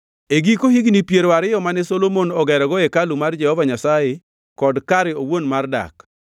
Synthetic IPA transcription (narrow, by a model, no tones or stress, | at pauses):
eɡikohiɡnipjeɾoaɾɪjɔmanɛsolomonɔɡɛɾɔɡɔɛkalumard͡ʒɛhɔvaɲasaje | kɔdkaɾɛowonmarda̰k